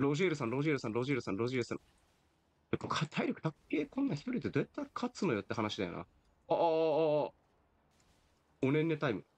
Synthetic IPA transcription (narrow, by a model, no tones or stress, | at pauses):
ɾo̞ʑieɾɯ̟sãnɾo̞ʑieɾɯ̟sãnɾo̞ʑieɾɯsãɾo̞ʑieɾɯsã̰ | t̪ekokʰat̪ʰaiɾʲo̞kɯ̟̥t̪akke̞ːkõ̞nːaçi̥t̪o̞ɾʲit̪ed͡ze̞t̪ːaikʰat͡sɨno̞jo̞t̪ːeɦanaɕid̪a̰jo̰a̰ | onẽ̞nːe̞t̪aimɯ̟